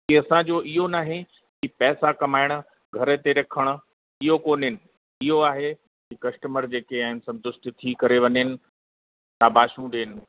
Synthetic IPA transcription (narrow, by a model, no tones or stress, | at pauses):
kiɐsãd͡ʑoːʔɪɦonaːɦẽ | kipɛːsakɐmaːɪɽ̃ʊ̆ | ɡʱɐɾət̪eɾɐkʰəɽ̃ʊ̆ | ɪɦokoːnɪnɪ̆ | ɪɦoaːɦe | kikɐsʈəməɾd͡ʑeːkeaːɦɪnɪ̆sɐ̃nt̪ʊst̪it̪ʰikɐɾeʋɐɲɪnɪ̆ | t̪abʱaːʃũɖeːnɪ̆